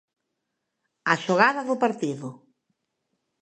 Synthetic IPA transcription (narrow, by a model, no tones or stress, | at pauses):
aʃoɣaðɐðʊpaɾt̪iðʊ